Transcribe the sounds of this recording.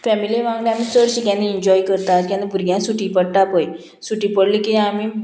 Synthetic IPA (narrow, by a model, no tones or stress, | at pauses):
fɛmiliʋãŋɡlẽamisəɾɕikãnd̪iːɲd͡ʑɔjkəɾt̪at̪kãnd̪ibʱuɾɡjãsuʈipəɽʈapoj | suʈipəɽlikiami